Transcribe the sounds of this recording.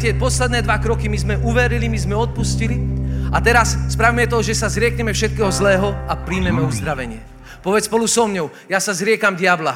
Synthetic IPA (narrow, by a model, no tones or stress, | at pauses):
t̪ɪɛpɔslɛd̪nɛːd̪ʋakɾɔkimizmɛʔuʋɛɾilimizmɛɔt̪̚pusciliat̪ɛɾasspɾaʋimɛt̪ɔʒɛsazɾɪɛkɲɛmɛfʃɛt̪̚kɛːɦɔzlɛːɦɔapɾiːmɛmɛuzd̪ɾaʋɛɲɪɛ | pɔʋɛspɔlusɔmɲɔʊ | jasazɾɪɛkamɟɪabla